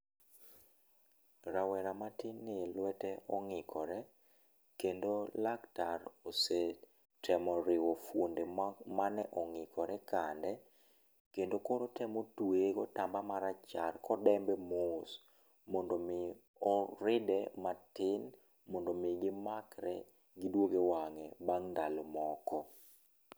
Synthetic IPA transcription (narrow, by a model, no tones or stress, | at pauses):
ɾawɛɾamatɪnːɪlwɛtɛɔŋɪkʰɔɾɛ | kendolaktarose | tʰɛmɔɾɪwofwondemanɛʔɔŋɪkʰɔɾɛkandɛ | kendokoɾotɛmotweɡɔtambamaɾat͡ʃarkɔdɛmbɛmos | mɔndomɪ | ɔɾɪdɛmatɪn | mɔndomɪɡɪmakɾɛ̰ | ɡɪdwoɡewaŋɛbaŋndalomɔkɔ